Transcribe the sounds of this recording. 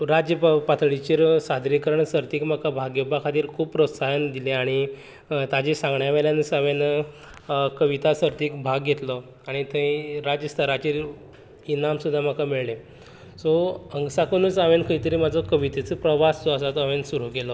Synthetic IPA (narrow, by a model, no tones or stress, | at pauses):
ɾad͡ʑjəppat̪ʰɭit͡ɕiːɾsad̪ʱɾikəɾəɳsəɾt̪iːkm̤akabʱaɡjəbakʰat̪iːɾkʰuːbpːɾot̪sajənd̪ileaɽ̃i | t̪ad͡ʑesãŋɡɳjaʋeljanəsəʋen | kəʋit̪asəɾt̪iːkbʱaɡɡʱet̪lɔ | aɽ̃it̪ʰẽɾad͡ʑjəst̪ʰəɾat͡ɕiːɾ | inamsud̪ʱːam̤akamiɭle | sɔəŋɡsakəñəːt͡saʋenkʰəit̪əɾiːmad͡zʱɔkəʋit̪et͡səpɾəʋast͡sɔəsat̪ɔaʋensuɾukelɔ